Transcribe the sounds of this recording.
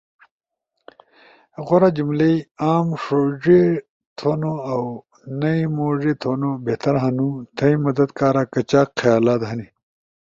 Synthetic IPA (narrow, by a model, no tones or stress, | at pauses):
ɣoɾad͡ʑumlejaːmʂoːʐe | t̪ʰoːnoaw | nɐimoːʐet̪ʰoːnobeht̪ɐɾɦanũt̪ʰɐimɐd̪ɐd̪kaːɾakɐt͡ɕaːkqɐjaːlaːt̪ɦɐni